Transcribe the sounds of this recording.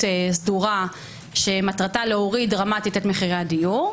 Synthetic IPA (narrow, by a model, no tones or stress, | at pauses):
sduʁa | ʃe̞matʁataleoʁidʁamatitetmeχiʁeadijuʁ